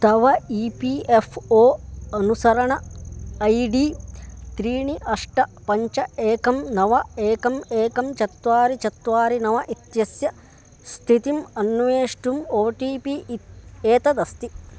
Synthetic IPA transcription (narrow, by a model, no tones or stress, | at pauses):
t̪ɐʋɐiːpiːʔefʰoːɐnusɐɾɐɳɐɐjɖiːt̪ɾiːɳiʔɐʂʈɐpɐɲt͡ʃɐeːkɐmnɐʋɐeːkɐmeːkɐmt͡ʃɐt̪ʋaːɾit͡ʃɐt̪ʋaːɾinɐʋɐʔit̪jɐsjɐ | st̪ʰit̪imɐnːʋeːʂʈumoːʈiːpi | eːt̪ɐd̪ɐst̪i